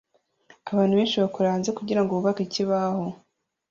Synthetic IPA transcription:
aβaːnhuβeːnt͡ʃiβakuɾaːnzekuɟiɾaŋɡuβuβakiciβaho̞

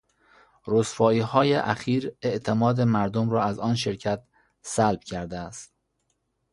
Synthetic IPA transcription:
ɾosfɒːiːhɒːjeʔæxiːɾe̞ʔt̪ʰe̞mɒːd̪emæɾd̪omɾɒːæzɒːnʃe̞ɾcʰæt̪̚ | sælb̥cʲʰæɾd̪eæst̪

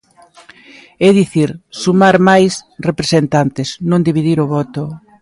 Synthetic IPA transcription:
ɛðiθiɾsumaɾmajsrepɾesent̪ant̪ɪsnõnd̪iβiðiɾʊβɔt̪ʊ

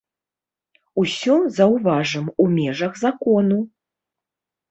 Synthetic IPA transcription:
usʲɔzɐwvaʐɐmumʲɛʐɐɣzakɔnu

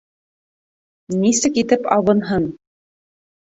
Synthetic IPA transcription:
nisɘkit̪ɘpɑwɤ̆nɦɤɴ

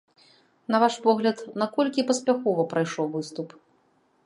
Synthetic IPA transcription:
nɐvaʂpɔɣlʲɐt̪nɐkɔlʲkʲipɐsʲpʲaxɔvɐpɾajʂɔwvɨst̪up

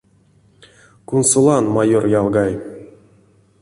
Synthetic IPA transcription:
kunsulˠɑnmajorjɑlˠɡɑj

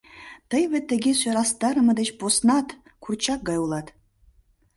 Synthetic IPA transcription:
t̪əjvet̪ːĕɡʲesøɾɑst̪ɑɾəmɤd̪et͡ɕposnɑt̪ | kʰurt͡ɕɑk̚ɡɑjulˠɑt̪

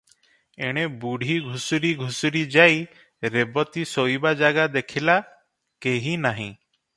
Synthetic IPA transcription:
eɽ̃ebuɽ̤ʱiɡʱusuɾiɡʱusuɾid͡ʒaj | ɾebɔt̪isojbad͡ʒaɡad̪ekʰila | keɦinaɦḭ̃

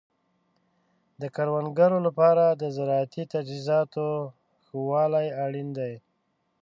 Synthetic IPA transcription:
d̪əkaɾwanɡaɾolapɑɾad̪əzaɾɑat̪it̪ad͡ʒizɑt̪o | xəwɑlajaɽind̪aj

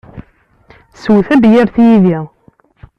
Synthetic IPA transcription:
swθæbjæɾθjiði

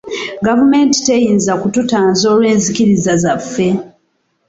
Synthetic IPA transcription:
ɡavume̞ːnti̥te̞jiːnzakututaːnzo̞ːlwe̞ːnzikiɾizazafːe̞

